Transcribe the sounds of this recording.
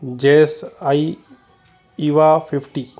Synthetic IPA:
d͡ʒesaj | iwapʰipʰʈi

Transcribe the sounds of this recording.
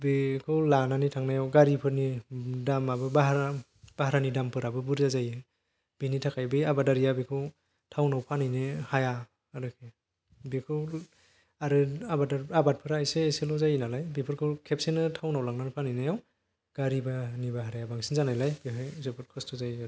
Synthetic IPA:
bikʰɯwlananitʰaŋnajawɡaɾipʰɯɾnidamabɯbaɦaɾa | b̥aɦaɾanidampʰɯɾabɯbuɾzazajɯ | b̥initʰakʰajbiabadaɾijabikʰɯw | tʰawnawpʰanɯjnehajaː | ɾɯkʰe | bikʰɯw | aɾɯabadaɾabat̚pʰɯɾajseːselɔzajinalajbipʰɯɾkʰɯkʰep̚senɯtʰawnawlaŋnanɯpʰanɯjnajaw | ɡ̥aɾibanibaɦaɾajabaŋsinzanajlajbiɦɯjsepʰɯtkʰɔstʰɔzaj

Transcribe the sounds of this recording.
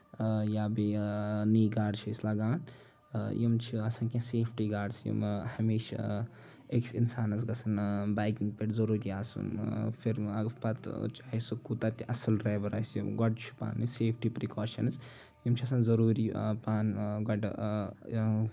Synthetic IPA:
jaːbiniːɡaːɖt͡ʃʰiislaɡaːn | jimt͡ʃʰiɐsankẽseːpʰʈiːɡaːɖsjḭmhɐmiːʃ | eksinsaːnɐsɡɐsʰɐnbaːjkiŋɡpeʈzɐɾuːɾiaːsṵnpʰiɾɐɡpɐt̪t͡ʃaːɦisukut̪aːt̪iʔɐsɐlɾeːbɐɾaːsjḭmɡɔɖt͡ʃʰu̥pa̰ːniseːpʰʈiːpɾikaːʃɐ̰nɨs | jimt͡ʃʰiɐsanzɐɾuːɾiːpaːnɡɔɖ

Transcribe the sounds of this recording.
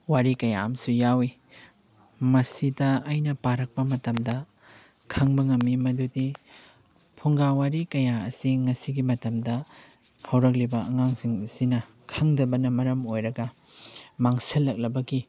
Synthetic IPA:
waɾikɐja̰ɐmsujawi | mɐsidɐɐjnɐpaɾɐk̚pɐmɐtɐmdɐ | kʰɐŋbɐŋɐmːimɐdudi | pʰuŋɡawaɾikɐjaɐ̰siŋɐsiɡimɐtɐmdɐ | hɐwɾɐk̬̚libɐɐŋaŋsiŋɐsinɐ | kʰɐŋdɐbɐnɐmɐɾɐmojɾɐɡɐ | maŋsɐlːɐk̚lɐbɐɡi

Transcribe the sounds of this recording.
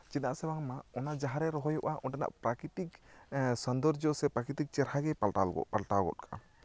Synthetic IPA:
t͡ʃit̪aʔsɛbaŋmaɔnad͡ʒaɦaɾɛɾɔɦɔjɔʔaʔɔnʈɛna̰ʔpɾakɾiʈiksɔnd̪ɔɾd͡ʒɔsɛpɾakɾiʈik̚t͡ʃɛɾhaɡɛpalʈalɡɔ̰palʈaɡɔ̰t̚kʰaʔa̰

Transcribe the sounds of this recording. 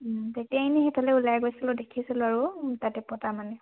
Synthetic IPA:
tetijainixitʰalɛulajɡojsilʊdekʰisilʊaɹutatɛpɔtamanɛ

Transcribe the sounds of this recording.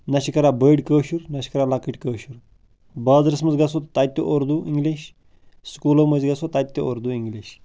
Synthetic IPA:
nɐʃikɐɾabəːɖkəːʃuɾnɐʃi̥kɐɾalɐkiʈʲkəːʃuɾ | baːzɾɐsmɐzɡɐsot̪t̪at̪ʲːuʔoɾd̪uiŋɡliʃ | skuːlomɐzɡɐsot̪at̪ʲːooɾd̪uiŋɡliʃ

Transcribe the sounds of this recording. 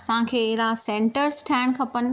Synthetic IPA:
sãkʰeːɪɦɾasẽːɳʈəɾsʈʰɛːɳkʰɐpənɪ̆

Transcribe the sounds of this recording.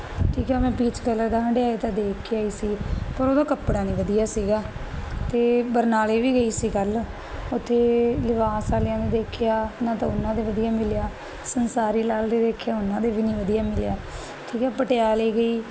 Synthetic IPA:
ʈʰiːkɛːmɛ̃ːpiːt͡ʃkələɾd̪aːəɳɖeaːeːt̪ãːd̪eːkʰiaːiːsiːpəɾoːd̪aːkəpɽaːnĩːʋəd̪ijaːsiːɡaːt̪eːbəɾnaːleːʋiːɡəiːsiːɡəl | ʊt̪ʰːeːlɪʋaːsaːlɪjãːd̪eːd̪eːkʰɪjaːnãːt̪ãːʊnːãːd̪eːʋəd̪ijaːmɪljaː | sənsaːɾiːlaːld̪eːd̪eːkʰjaːʊnːãːd̪eːʋiːnĩːʋəd̪ijaːmɪlja̰ː | ʈʰiːkɛːpəʈejaːleːɡəiː

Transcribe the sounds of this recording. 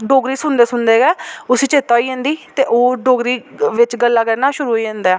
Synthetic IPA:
ɖoːɡɾiːsʊnd̪eːsʊnd̪eːɡɛːʊsiːt͡ʃeːt̪aːiːẽːnd̪iːt̪eːʔoːɖoːɡɾiːʋɪt͡ʃɡəlːaːkəɾnaːʃʊɾuːiːẽːnd̪aː

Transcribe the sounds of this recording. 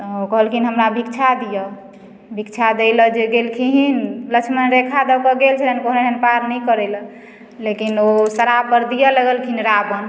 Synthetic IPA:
t̪ɔokəɦəlkʰinɦəmɾabʱik̚t͡ʃʰad̪ijə | bʱikt͡ʃʰad̪ɛɪləd͡ʒeɡelkʰiɦinlət͡ʃʰmənɾekʰad̪əkəɡelt͡ʃʰɛlenkoɦned̪ənpaɾnɛkəɾɛlə | lekinosəɾapəɾd̪ijələɡəlkʰinɾabən

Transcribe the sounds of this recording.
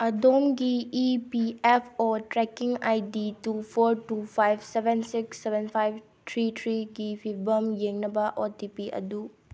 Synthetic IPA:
ɐdomɡiːpiepʰotɾekiŋajditupʰoɾtupʰajbsebʱensiksːebʱenpʰajb̚ | tʰɾitʰɾiɡipʰipʰbɐmjeŋnɐbɐʔotipiʔɐ̰du

